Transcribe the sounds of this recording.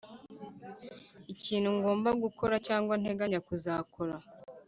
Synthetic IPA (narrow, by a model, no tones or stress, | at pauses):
iciːnhuŋɡo̞ːmbaɡuko̞ɾacaːŋɡwan̥e̞ɡaɲakuzaːkʰo̞ɾa